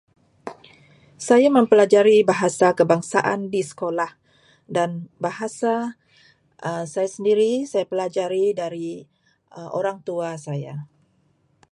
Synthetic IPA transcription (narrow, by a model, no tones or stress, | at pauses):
sajaməmpəlad͡ʒaɾibaɦasakəbaŋsaʔa̰ndisə̥kolah | danbaɦasa | ʔəsajasəndiɾisajapəlad͡ʒaɾidaɾi | əʔo̰ɾaŋt̪uasaja̰